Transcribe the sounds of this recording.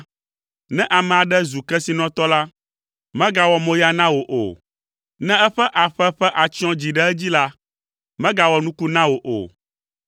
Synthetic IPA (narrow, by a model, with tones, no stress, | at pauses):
nɛ̃˦ʔa˨mɛ̃˨a˨ɖɛ˦zu˨kɛ˦si˨nɔ̃˦t̪ɔ˦la˦ | mɛ̃˦ɡa˨wɔ˨mõ˦ja˨nã˦wo˨ʔo̰˨ | nɛ̃˦ɛ˦ɸɛ˦ʔa˨ɸɛ˦ɸɛ˦ʔa˨t͡ɕi˦ɔ̃˦d͡ʑi˨ɖɛ˦ɛ˦d͡ʑi˦la˦ | mɛ̃˦ɡa˨wɔ˨nũ˦ku˦nã˦wo˨ʔo̰˨